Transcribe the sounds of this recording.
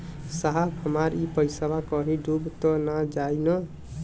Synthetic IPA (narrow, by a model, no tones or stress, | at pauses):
saɦabɦəmaɾipəjsəbakəɦiɖubt̪ɔnad͡ʒajnə